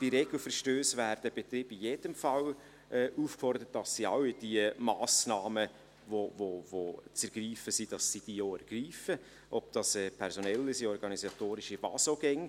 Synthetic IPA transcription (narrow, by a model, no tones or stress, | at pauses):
d̥iɾeɡ̥l̩fəɾʃtøːsvæːɾd̥əb̥et̪ɾiːbijed̥əmfɑl | ʔɛːʔuːfkfɔɾd̥əɾət̚dɑsːiaʊɪd̥iəmɑːsnɑːmə | vovovot͡sɛɾɡ̥riːfəsid̥ɑsːid̥ijoːɛɾɡ̥riːfə | ʔɔb̚d̥ɑsɛːpʰɛɾsonɛlːɪsiɔɾɡɑnisɑt̪oːɾɪʃivɑ̰ːsoɡɛŋ